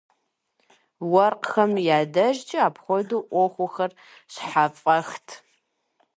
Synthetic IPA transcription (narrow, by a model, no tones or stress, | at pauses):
wɐrqxɐmjaːdɐʒt͡ʃʼɪaːpχʷɔduʔʷɔχʷʊxɐr | ɕħapʼɐxtʰ